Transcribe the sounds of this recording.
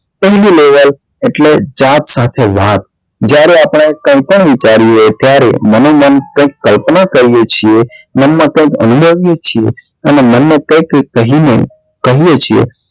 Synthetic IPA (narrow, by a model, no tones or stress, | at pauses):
pəɦlileʋəl | eʈled͡ʒat̪sat̪ʰeʋat̪̚ | d͡ʒjaɾeaːpɽ̃aekə̃ɪ̃k̚pəɳ̃ʋit͡ʃaɾiet̪jaɾḛmənomənkə̃ɪ̃kːəlpnakəɾijet͡ʃʰiemənmãkə̃ɪ̃kə̰nubʱəʋijet͡ʃʰie | ənemənːekə̃ɪkːəɦinḛ | kəɦijet͡ʃʰiḛ